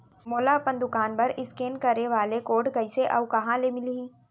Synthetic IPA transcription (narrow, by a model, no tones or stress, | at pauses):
moːlapɐ̃nd̪ʊkaːnpɐɾɪskeːnkɐɾeʋaːlekoːʈɡɐiseʔɐ̰ʋkɐɦãlemɪliĩː